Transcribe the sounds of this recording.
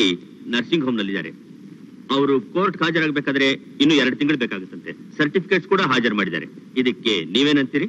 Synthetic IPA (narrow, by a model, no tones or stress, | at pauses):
i | nɐɾsiŋɡɦomnɐlːid̪a̰ːɾe̞̰ | ɐʋɐɾukoːɾʈɦaːd͡ʒɐɾaːɡbekaːd̪ɐɾe̞ | inːuːɛɾɐɽut̪iŋɡɐɭbeːkaːɡut̪ːɐnt̪e̞̰sɐɾʈipʰi̥keʈskuːɽɐɦaːd͡ʒɐɾmaːɽid̪a̰ːɾe̞̰id̪ɐkːe̞niːʋe̞ːnɐnt̪iːɾi